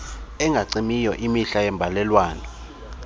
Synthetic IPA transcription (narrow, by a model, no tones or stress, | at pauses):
ɛŋɡʱaǀimijɔʔimiɬajɛmbʱalɛlwaːnɔ